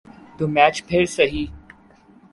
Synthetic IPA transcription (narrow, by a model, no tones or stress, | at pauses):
t̪umæːt͡ʃpʰeɾsɐɦiː